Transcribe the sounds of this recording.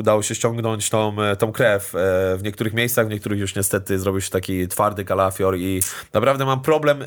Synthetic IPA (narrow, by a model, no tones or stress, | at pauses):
ud̪awɔɕɛɕt͡ɕɔ̃ŋɡnɔɲt͡ɕt̪ɔ̃mt̪ɔ̃w̃kɾɛfʲvɲɛkt̪uɾɘxmʲjejssaɣvɲɛkt̪uɾɘxjuʂɲɛst̪ɛt̪ɘzɾɔbʲiwɕɛ̥t̪akʲit̪faɾd̪ɘkalafʲjɔɾinapɾavd̪ɛmampɾɔblɛm